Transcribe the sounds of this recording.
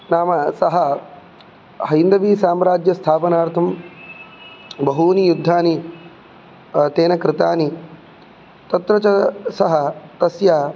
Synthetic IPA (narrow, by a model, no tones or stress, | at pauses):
naːmɐsɐɦɐ | hɐjind̪ɐʋiːsaːmɾaːd͡ʒjɐst̪ʰaːpɐnaːɾt̪ʰɐm | bɐɦuːnijud̪ʱːaːni | t̪eːnɐkɾɪt̪aːni | t̪ɐt̪ɾɐt͡ʃɐsɐɦɐt̪ɐsjaː